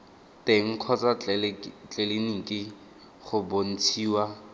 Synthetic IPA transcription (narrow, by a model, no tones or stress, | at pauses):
teŋ̩kʰɔt͡sʼa | t͡ɬʼeleniŋ̩kʼɪ | χʊbon̩t͡sʰiːwa